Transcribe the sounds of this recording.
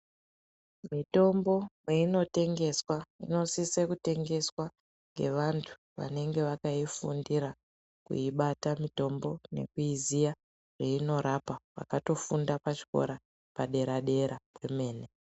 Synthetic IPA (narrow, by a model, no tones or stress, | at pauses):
mito̞mbo̞meino̞te̞ŋɡe̞swaḭno̞sisekute̞ŋɡe̞swa | ŋɡe̞̰ʋantʰu̥ʋa̰ne̞ŋɡe̞ʋakaifundiɾa | kṵiɓatamito̞mbo̞ne̞̰kuizija | ʐ̥eino̞ɾapaʋa̰kato̞fundapat͡ʃi̥ko̞̰ɾa | paɗe̞ɾaɗe̞ɾapwe̞me̞ːne